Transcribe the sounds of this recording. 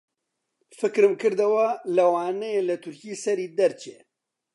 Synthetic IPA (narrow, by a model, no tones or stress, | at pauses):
fɨkɾɨmkɨɾd̪ɐwɐlɐwaːnejelɐt̪ʰʊɾkiːsɐɾiːd̪ɐɾt͡ʃe